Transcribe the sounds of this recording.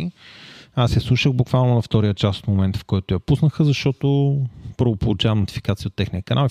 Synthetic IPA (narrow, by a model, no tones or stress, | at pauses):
i | asɛslˠuʃəɣbukvalˠnonɐft̪ɔɾijət͡ʃaso̥t̪momɛnt̪fkɔjt̪ʊjɐpusnəxəzɐʃt̪ɔt̪opəɾvopolˠut͡ʃavɐmnot̪i̥fi̥kat̪sijəot̪ːɛxniəkɐnʔali